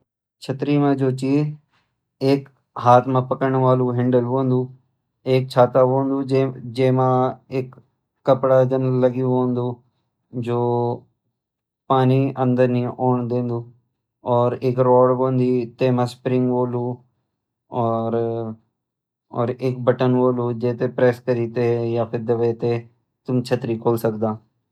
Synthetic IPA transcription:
t͡ʃʰət̪ɾiːmãd͡ʒoːt͡ʃiːz | eːk | ɦaːt̪ʰmãːpəkəɳʋaːlũːɦɪɳɖəlʋõːnd̪uː | eːk̚t͡ʃʰaːt̪aːʋõːnd̪uːd͡ʒed͡ʒeːmãːeːkː | əpɽaːd͡ʒənləɡiõːnd̪uː | d͡ʒoː | paːniːʔə̃nd̪əɾniːɔːɳd̪ẽːnd̪uː | ɔːɾeːkɾɔːɽboːnd̪iːt̪eːmãːspɾɪ̃ŋɡboːluː | ɔːɾ | ɔːɾek̚bəʈənboːluːd͡ʒeːt̪eːpɾɛːskəɾiːt̪eːjaːpʰɪɾd̪əʋeːt̪eː | t̪ʊmt͡ʃʰət̪ɾiːkʰoːlsəkd̪aː

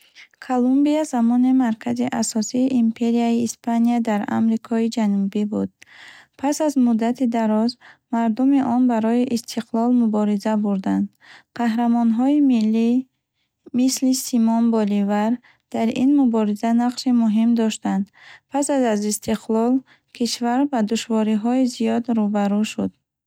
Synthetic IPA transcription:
kʰolumbiazamɔnimaɾkʰaziʔasɔsiːʔimpʰe̞ɾiaiːspʰaniad̪aɾa̰mɾikʰɔid͡ʒanubibud̪̥̚pʰasazmud̪ːat̪ʰid̪aɾɔzmaɾd̪umiʔɔnbaɾɔiʔist̪ʰiqʰlɔlmubɔɾizabuɾd̪and̪ | qʰaɦɾamɔnɦɔimilːi | mislisimɔnbɔlivaɾ | d̪̥aɾinmubɔɾizanaqʃimuɦimd̪ɔʃt̪and̪pʰasazazist̪ʰiqʰlɔl | kʰiʃvaɾbad̪uʃvɔɾiɦɔizijɔd̪ɾubaɾuʃud̪̥̚

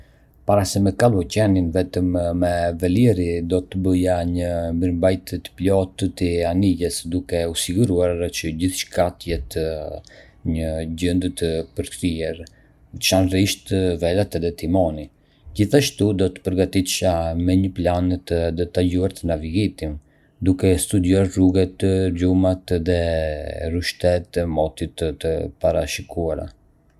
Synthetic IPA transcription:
paɾasɛmɛkalˠucɛninvɛt̪əmːɛvɛliɾid̪ɔt̪əbəjaɲəmbiɾmbajt̪t̪ə̥plɔt̪t̪ianiɟɛsd̪ukɛusiɡuɾuaɾt͡ʃəɟiθʃkat̪əjɛt̪ə | ɲəɟənd̪ət̪əpəɾkɾiɛɾ | t͡ʃanriʃt̪əvɛlat̪ɛðɛt̪imɔni | d͡ʑiθaʃt̪ud̪ɔt̪ə̥pəɾɡat̪it̪ʃamɛɲəplant̪əd̪ɔt̪aɟuaɾt̪ənaviɡit̪im | d̪ukɛst̪ud̪juaɾruɡɛt̪lumat̪ðɛ | ruʃt̪ɛt̪əmɔt̪it̪ət̪əpaɾaʃikuaɾa̰

